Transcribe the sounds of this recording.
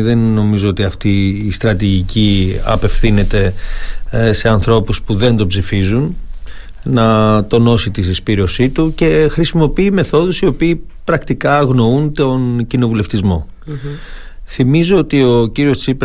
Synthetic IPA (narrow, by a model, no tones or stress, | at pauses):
ðe̞nːo̞mizo̞o̞t̪iɐft̪iːst̪ɾɐt̪̬iʝiciɐ̰pe̞fθine̞t̪e̞ | se̞ɐnθɾo̞puspuðe̞nd̪o̞pzifizun | nɐt̪o̞no̞sit̪isispiɾio̞sit̪uce̞xɾisimo̞piime̞θo̞ðusio̞piːpɾɐkt̪ikɐːɣno̞unt̪o̞ncino̞vule̞ft̪izmo̞ | θimizo̞ot̪io̞ciɾio̞st͡sipɾ